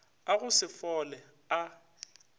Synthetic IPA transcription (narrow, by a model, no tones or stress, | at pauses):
aɣʊsɪfɔlɛ | a